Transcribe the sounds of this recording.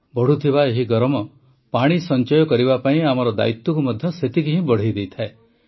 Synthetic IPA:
bɔɽ̤ut̪ʰiβaeɦiɡɔɾɔmɔ | paɽ̃isɔnt͡ʃɔjɔkɔɾibapaĩamɔɾɔd̪a̰it̪ːɔkumɔd̪ʱjɔset̪ikiɦĩbɔɽ̤ejd̪ejt̪ʰae

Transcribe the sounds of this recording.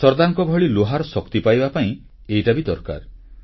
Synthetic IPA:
sɔɾd̪aŋkɔbʱɔɭiloɦaɾɔsɔkt̪ipajbapaĩ | ejʈabid̪ɔɾka̰ɾ

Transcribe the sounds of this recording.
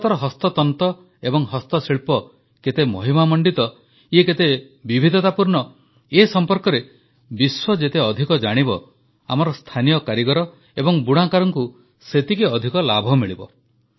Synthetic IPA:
t̪ɔɾɔɦɔst̪ɔt̪ɔnt̪ɔ | ebɔŋɦɔst̪ɔsiɭpɔ | ket̪emɔɦimamɔɳɖit̪ɔ | ieket̪e | bibʱid̪ʱɔt̪apuɾɳɔ | esɔmpɔɾkɔɾe | biswɔd͡ʒet̪eɔd̪ʱikɔd͡ʒaɽ̃ibɔ | a̰mɔɾɔst̪ʰanijɔkaɾiɡɔɾɔ | ebɔŋbuɽ̃akaɾɔŋku | set̪ikeɔd̪ʱikɔlabʱɔmiɭibɔ̰

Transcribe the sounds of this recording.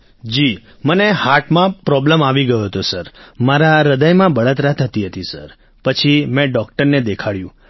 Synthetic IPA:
d͡ʒi | mənehaɾʈmãpɾɔbləmaʋiɡəjoɦət̪osəɾmaɾaɾəd̪əjmãbəɭat̪ɾat̪ʰət̪iɦət̪isə̰ɾ | pət͡ʃʰimɛ̃ɖɔkʈəɾned̪ekʰaɭjũ

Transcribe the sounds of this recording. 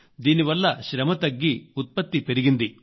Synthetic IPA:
d̪iːniʋɐlːɐʃɾɐmɐt̪ɐɡːiut̪̚pɐt̪ːipeɾiɡind̪i

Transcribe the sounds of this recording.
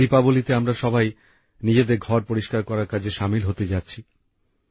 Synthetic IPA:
ipabolit̪eamɾaʃɔbaj | nid͡ʑed̪eɾɡʱɔɾpoɾiʃkaɾkɔɾaɾkad͡ʑʰʱeʃamilɦot̪ed͡ʑatːɕʰi

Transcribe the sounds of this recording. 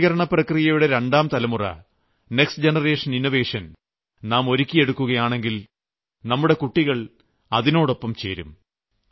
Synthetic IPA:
ɣɐɾɐɳɐprɐkrijɐjuɽeɾeɳɖaːmt̪ɐlɐmurɐ̰ | ne̞ksd͡ʑenɐre̞ːʂɐninːoʋe̞ːʂɐn | naːmo̞ɾikʲːije̞ɽukːuɣɐjaːɳe̞ŋɡil | nɐmːuɽe̞kuʈːiɣɐɭ | ɐðino̞ːɽopːɐmt͡ɕeːɾṵm

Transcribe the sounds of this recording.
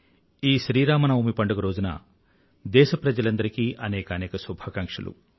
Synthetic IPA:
iːʃɾiːɾaːmɐnɐʋumipɐɳɖuɡɐɾoːd͡ʒunɐ̰ | d̪ɛːʃɐpɾɐd͡ʒɐlɐnd̪ɐɾikiːʔɐnɛːkɐːnɛːkɐsubʱaːkɐŋkʂɐlṵ

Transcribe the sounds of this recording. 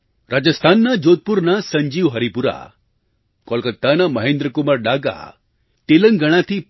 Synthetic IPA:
ɾʔad͡ʒəst̪ʰaːnːad͡ʒot̪̚puɾnasəɲd͡ʒiʋɦɐɾipuɾa̰ | kɔlkət̪ːanaməɦẽːnd̪ɾəkumaɾɖaɡa̰ | t̪eləŋɡɐɽ̃at̪ʰi

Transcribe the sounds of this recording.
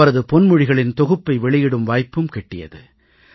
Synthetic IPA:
ɐɾɐðɯpɔnmʊɻɪɣɐɭɪnt̪ɔɣɯpːɐɪʋɛɭɪjɪɽɯmʋaːjpːɯmkɛʈːɪjɐ̰ðɯ

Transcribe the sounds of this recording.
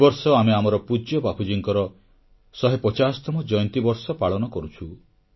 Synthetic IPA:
bɔɾsɔameamɔɾɔpud͡ʒjɔbapʰud͡ʒiŋkɔɾɔ | sɔɦepɔt͡ʃasɔ̥t̪ɔmɔd͡ʒɔjnt̪ibɔɾsɔpaɭɔnɔkɔɾut͡ʃʰu

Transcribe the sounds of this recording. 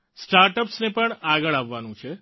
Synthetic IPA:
sʈaɾʈəpsnepəɳaɡəɭaʋːanũt͡ʃʰe

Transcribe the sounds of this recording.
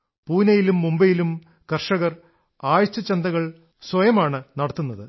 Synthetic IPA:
puːnɐjilumːumbɐjilum | kɐrʂɐɣɐr | aːjɐt͡ɕːɐt͡ɕːɐnd̪ɐɣɐɭ | swɐjɐmaːɳɨnɐɽɐt̪ːunːɐðɨ

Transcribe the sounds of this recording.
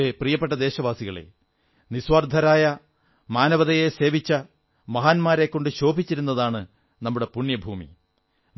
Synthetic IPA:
eprijɐpːeʈːɐd̪e̞ːɕɐʋaːsiɣɐɭe̞̰ | niswɐrd̪ʱɐɾaːjɐ | maːnɐʋɐðɐjese̞ːʋit͡ɕːɐ | mɐɦaːnmaːɾekːo̞ɳɖɨɕo̞ːbʱit͡ɕːiɾunːɐðaːɳɨ | nɐmːuɽe̞puɳjɐbʱuːmḭ

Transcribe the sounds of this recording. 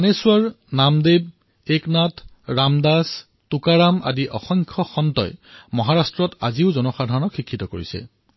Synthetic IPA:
anesuaɹ | namdeb̚ | eknatʰ | ɹamdas | tukaɹama̰diʔɔ̰xɔŋkʰɔxɔntɔ̰jmɔɦaɹastɹɔta̰ziʊzɔnɔxadʱaɹɔnɔkxikʰːitɔkoɹḭsɛ̰

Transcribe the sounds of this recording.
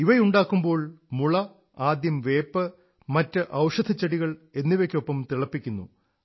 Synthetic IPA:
iʋɐjuɳɖaːkːumbo̞ːɭmuɭɐ | aːd̪jɐmʋe̞ːpːɨ | mɐtːɨʔɐwʂɐd̪ʰʱɐt͡ɕːɐɽiɣɐɭe̞nːiʋɐkʲːo̞pːɐmt̪iɭɐpːikʲːunːṵ

